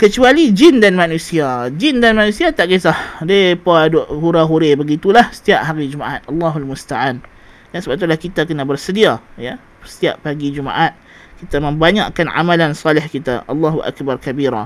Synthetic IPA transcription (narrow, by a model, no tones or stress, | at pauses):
kət͡ʃualid͡ʒindanmanũsiad͡ʒindanmanũsiat̪aʔɡesahdepadoʔhuɾaɦuɾebəɡit̪ulahsə̥t̪iaʔ̚haɾid͡ʒumaʔat̪̚ʔɑlːɑɦalmust̪aʕan | dansəbaʔit̪ulahkit̪akənabərsədiajə | sə̥t̪ia̰ʔpaɡid͡ʒuma̰ʔat̪̚ | kit̪amə̃mbaɲa̰ʔkanʕa̰malansɑlɪhkit̪a̰ʔɑ̰lːaɦuʔa̰kbarkabiɾa̰